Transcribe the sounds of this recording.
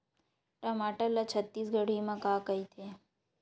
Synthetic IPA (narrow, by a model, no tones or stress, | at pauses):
ʈamaʈəlːat͡ʃʰət̪ːisɡəɽimãkaːkəjt̪ʰe